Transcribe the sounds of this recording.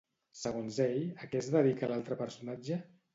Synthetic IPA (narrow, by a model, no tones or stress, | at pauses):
səɣonzeʎəkɛzðəðikəlalˠt̪ɾəpəɾsunad͡ʒə